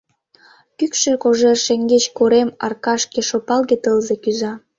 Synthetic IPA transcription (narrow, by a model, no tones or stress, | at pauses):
kykʃekoʒerʃeŋɡet͡ɕkoɾemɑ̰rkɑʃkĕʃopɑlɣet̪əlzekyzɑ